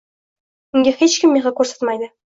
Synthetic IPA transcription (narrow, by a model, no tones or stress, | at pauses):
ɪŋɡʲehet͡ɕkʲɪmːeʁɑkʲɵɾse̥t̪mɑjd̪ə